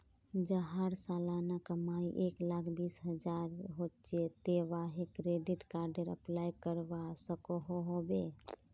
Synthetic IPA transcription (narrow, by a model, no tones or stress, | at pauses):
d͡ʒəɦaɾsaːlaːnakəmaiʔeːklaːkʰbiːsɦəd͡ʒaːɾɦot͡ʃet̪eʋaɦekɾeɖɪʈkaɾɖəɾə̰plaːjkəɾʋasəkoɦoɦobe